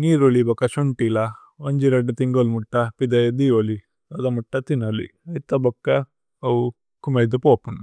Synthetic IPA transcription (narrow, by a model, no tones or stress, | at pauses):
niːɾolibɐkːɐʃuɳʈila | ɐɲd͡ʒiɾɐɖɐt̪iŋɡolmuʈːɐpid̪ɐjɐd̪ioli | ɐd̪ɐmuʈːɐt̪inɐlḭɐjt̪ɐbɐkːɐ | ɐwu | kumɐd̪upoːpun